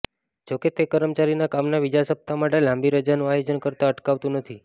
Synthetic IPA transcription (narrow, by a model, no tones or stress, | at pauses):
d͡ʒoket̪ekəɾəmt͡ʃaɾinakamnaʋid͡ʒasəb̚t̪ʰamaʈelãmbiɾəd͡ʒanũajod͡ʒənkəɾt̪aəʈkaʋt̪ũnət̪ʰi